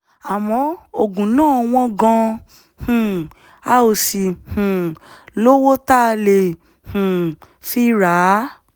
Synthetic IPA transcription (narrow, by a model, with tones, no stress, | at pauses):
a˨mɔ̃˧o˧ɡũ˨nãː˦˨˧w̃ɔ̃˧ɡɔ̃˧ | hũ˨ | a˦o˧˨si˨hũ˨lo˦wo˦ta˦˧le˨ | hũ˨ | fi˦ɾa˨˦